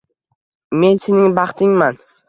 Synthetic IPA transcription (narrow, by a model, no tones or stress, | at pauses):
me̞nsenɪŋbɑχt̪ʰɪŋman